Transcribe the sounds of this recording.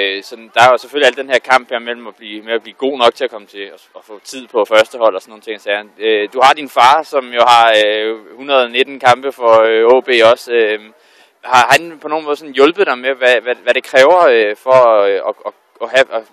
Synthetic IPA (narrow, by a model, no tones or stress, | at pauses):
sɒ̽d̥nd̥ɑ̈æɐjoseføliæld̥enhe̝ɐ̰kʰɑ̈m̰b̥heɐmel̰m̩ɒb̥liːmeæb̥liːɡ̥o̝̰ːnɒ̽ɡ̥̚t͡sʰe̝ækʰɒ̽mət͡sʰe̝ɒɒfɔ̰̽ːt͡sʰið̰ˠpʰɒ̽fɶɐsd̥əhɒ̽l̰ɒsɒnːo̝ːn̩t͡sʰe̝ŋsɛød̥uhɑ̈d̥infɑ̈ːsɒ̽mjo̝hɑ̈øhunɐð̞ˠɒne̝d̥n̩kʰɑ̈mb̥əfɒ̽øɔːb̥e̝̰ːɒ̽sø | hɑ̈hænpʰɒ̽no̝ːn̩mɔðˠsɒ̽n̩jɔ̽lb̥ðˠd̥ɑ̈ɪmeʋæʋæʋæɾ̥e̝kʰʁɛːʊɐøfɒ̽ɒ̽ɒ | ɒhæʔ